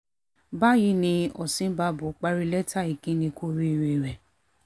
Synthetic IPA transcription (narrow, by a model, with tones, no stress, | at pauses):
ba˦ji˧˦nĩ˧ɔ̰˨sĩ˨˦ba˧˦bo˨˦k͡pa˦ɾi˧lɛ˦ta˦˨i˨kĩ˦nĩ˧kʰo˦ɾi˦˨ɾe˨ɾɛ˨